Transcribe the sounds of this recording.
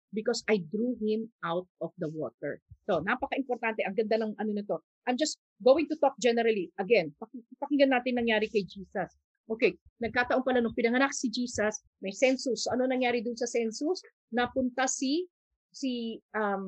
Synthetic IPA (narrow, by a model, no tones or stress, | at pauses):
bɪkosɐjd̪ɾuhɪmʔawt̪̚ɔfd̪ɐwo̰ːt̪ɛ̰ɹt̪onapɐkɐʔɪmpoɾt̪ant̪ɛʔɐŋɡɐnd̪anɐŋʔɐnonɐt̪o̞ | ʔɐjmd͡ʒɐst̪ | ɡoːwɪŋt̪ʊt̪ok̚d͡ʒɛnɛɾɐliʔɐɡɛnpɐkɪpɐkɪɡɐnːaːt̪ɪnːɐŋjaːɾɪkɐjd͡ʒiːsɐs | ʔoːkɛj | nɐɡ̚kaːt̪ɐʔopɐlanʊŋpɪnɐŋɐnak̚sɪd͡ʒiːsɐs | mɐjsɛnsʊsoʔɐnonɐŋjaːɾɪd̪ʊnsɐsɛnsʊs | nɐpʊnt̪asi | siʔɐm